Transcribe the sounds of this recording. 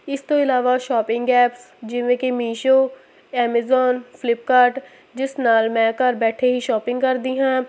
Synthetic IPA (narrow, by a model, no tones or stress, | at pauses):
ɪst̪oɪlaːʋaʃɔːpɪ̃ŋɡɡɛːpsd͡ʒɪʋẽːkemiːʃoː | ɛːmezɔːnfɪlɪp̚kaːɾʈ | d͡ʒɪsnaːlmɛ̃ːkəɾbɛːʈʰeɦiʃɔːpɪ̃ŋɡkəɾd̪iːɦãː